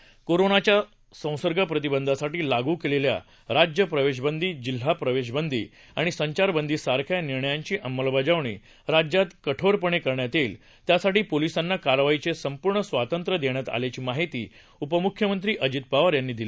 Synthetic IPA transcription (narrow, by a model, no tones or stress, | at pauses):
koɾonat͡ɕja | sə̃w̃səɾɡʱəpɾət̪ibənd̪ʱasaʈiːlaɡuːkelelja̰ | ɾad͡ʑjəpɾəʋeɕ̬bənd̪ʱiːd͡ʑil̤ːapɾəʋeɕbənd̪ʱiː | aɽ̃isəɲt͡ɕaɾbənd̪ʱiːsaɾkʰjaniɾɳəjaɲt͡ɕiːʔəmːəlbad͡ʑaʋɳḭː | ɾad͡ʑjat̪kəʈʰoɾpəɳ̃ekəɾɳjat̪iːl | t̪jasaʈiːpolisanːakaɾʋajit͡sesəmpuɾɳəsʋat̪ənt̪ɾəd̪eɳ̃jat̪a̰ljat͡ɕiːmaɦit̪ḭː | upəmukʰjəmənt̪ɾiːʔəd͡ʑit̪̚paʋəɾjanːiːd̪ila